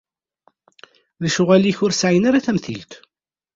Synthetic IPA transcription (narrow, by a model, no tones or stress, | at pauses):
ðæʃʊʁæliçʊɾsʕinaɾaθæmθilt̪